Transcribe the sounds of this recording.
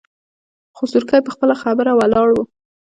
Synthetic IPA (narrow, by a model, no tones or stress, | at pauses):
xʊsuɾkajpəxpəlaxabəɾawalɑɽwu